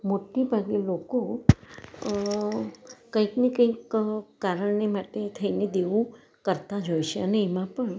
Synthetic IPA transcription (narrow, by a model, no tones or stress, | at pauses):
moʈibʱaɡeloko | kə̃ĩknekə̃ikkaɾəɳnemaʈet̪ʰəined̪eʋũ | kəɾt̪ad͡ʒojʃeəneːmãpəɳ